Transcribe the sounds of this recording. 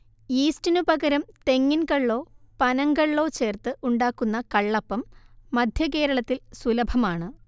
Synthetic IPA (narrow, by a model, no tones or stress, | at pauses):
iːstinubɐɡɐɾɐmt̪e̞ŋːinkɐɭːo̞ːpɐnɐŋɡɐɭːo̞ːt͡ɕe̞ːrt̪ɨʔuɳɖaːkːunːɐkɐɭːɐpːɐmːɐd̪ʱjɐke̞ːɾɐɭɐt̪ːilsulɐbʱɐmaːɳɨ